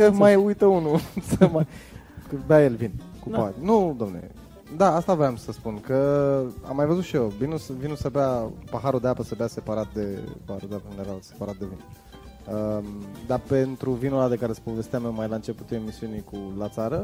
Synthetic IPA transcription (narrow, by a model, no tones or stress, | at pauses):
kəmajujt̪əunusəmajkəbeajelvin | kupat̪nud̪oamnelḛ | d̪aast̪avɾeamsəspunkəa̰mːajvəzut̪ʃiovinusəvinusəbeapaɦaɾud̪e̞apəsəbease̞paɾat̪̚d̪e̞paɾed̪aknd̪eɾalse̞̥paɾat̪̚d̪e̞vin | əd̪ape̞nt̪ɾuvinulad̪e̞kaɾe̞sə̥povest̪eamewmajlaɨnt͡ʃe̞put̪uemisiunikulat̪saɾə